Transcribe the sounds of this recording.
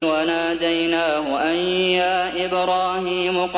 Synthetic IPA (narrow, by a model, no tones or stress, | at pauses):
wanaːd̪ajnaːhʊʔanjaːʔɪbɾaːhiːmʊq